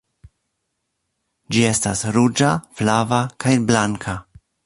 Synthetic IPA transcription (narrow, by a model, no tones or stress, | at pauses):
d͡ʒie̞stasɾud͡ʒaflavakajblaŋkʰa